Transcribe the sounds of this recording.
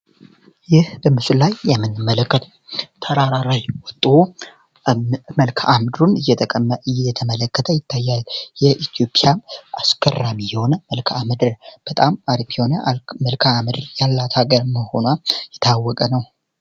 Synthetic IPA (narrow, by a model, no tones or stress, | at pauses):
jɪhbəmɨsullajːɛmːɨnːɨmːələkːət̪ʰ | t̪ʰəɾaɾaɾajwɔt̪ʼo | məlkʰaʔamd̪ɾun | ɨjɛt̪ʰəmələkːət̪ʰəjɪt̪ʰːajːaljɛʔit̪ʰijo̞pʼijaaskʰərːamijɛho̞nəməlkʰaamɨd̪ɨɾb̥ət̪ʼamaɾipʰionməlkʰamɨd̪ɾjalːat̪ʰaɡəɾməho̞̰najɛt̪ʰawːɔkʼənəw